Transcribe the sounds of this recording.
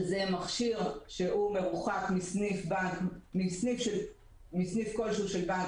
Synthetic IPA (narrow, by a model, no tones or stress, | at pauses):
zemaχʃiʁʃeʔume̞ʁuχakmisnifbamisnifʃe | misnifko̞lʃeuʃelba